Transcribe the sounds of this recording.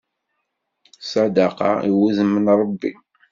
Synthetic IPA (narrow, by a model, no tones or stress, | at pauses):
sɑd̪ɑqɑ̰ḭwuzəmːənɾˤəbːḭ